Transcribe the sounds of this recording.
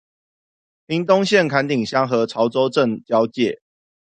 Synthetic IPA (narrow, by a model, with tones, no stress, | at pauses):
pʰi˨˦ŋt̪o˦ŋɕjɛ˥˨nkʰa˧˥nt̪i˨˩ŋɕjɑ˥ŋxɤ˨˦t͡sʰɑ˨˦ʊt͡so˦ʊʈ͡ʂə˥˨ŋt͡ɕjɑ˦ʊt͡ɕjɛ˨˩˦